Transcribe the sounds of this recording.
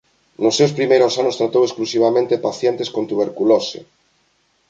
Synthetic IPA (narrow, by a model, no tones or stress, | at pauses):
nʊsːewspɾimejɾʊsanʊst̪ɾat̪owesklusiβ̞amẽnt̪epaθjent̪eskont̪uβeɾkulosḛ